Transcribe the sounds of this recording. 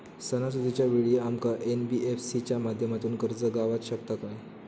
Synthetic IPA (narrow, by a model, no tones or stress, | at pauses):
sənasud̪ʱit͡ɕjaʋiɭiamkaʔenbiʔefsit͡ɕjamad̪ʱjəmat̪uːnkəɾt͡səɡaʋat̪ɕəkt̪akaj